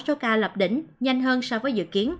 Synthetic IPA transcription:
so˨˦kaː˧lə˨˩p̚ɗḭ˧˩ŋ̟ɲa˧jŋ̟ɦəː˧nsɔ˧vəː˨˦jzɨ̰˧˨ki˨˦ən

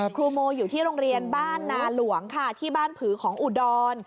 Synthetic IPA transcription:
kʰɾuː˧moː˧juː˨˩t̪ʰiː˥˩ɾo˧ŋɾi˧ənbaː˥˩nːaː˧lu˩˦əŋkʰa˥˩t̪ʰiː˥˩baː˥˩npʰɯː˩˦kʰɔː˩˦ŋʔu˨˩dɔː˧n

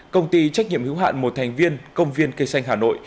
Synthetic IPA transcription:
kə˧wŋ͡mt̪i˧t͡ɕa˦˥k̚ɲḭ˧əmhɨ˨˦wɦa̰ː˧˨nmo˨˩t̚t̪ʰa˨˩jŋ̟vi˧ənkə˧wŋ͡mvi˧ənkə˧jsa˧jŋ̟ɦaː˨˩no̰˧˨j

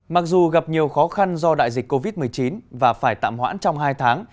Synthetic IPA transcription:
ma˨˩k̚zu˨˩ɣa˨˩p̚ɲi˨˩əwxɔ˨˦xa˧nzɔ˧ɗa̰ː˧˨jzi˨˩k̟ko˧vi˦˥t̚mɨ˨˩əjt͡ɕi˨˦nvaː˨˩faː˧˩jt̪a̰ː˧˨mhwa̰ː˧˥nt͡ɕɔ˧wŋ͡mɦaː˧jt̪ʰaː˨˦ŋ

